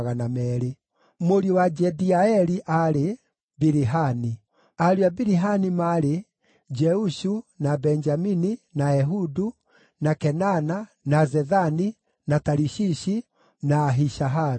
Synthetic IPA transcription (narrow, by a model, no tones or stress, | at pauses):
ɣanamɛɾe | moɾiɔwad͡ʒɛdiaɛɾiʔaɾe | biɾiɦani | aɾiabiɾiɦanimaɾe | d͡ʒɛuʃunabɛɲd͡ʒamininaɛɦudu | nakɛnana | nazɛðani | nataɾiʃiʃi | naːɦiʃaɦaɾ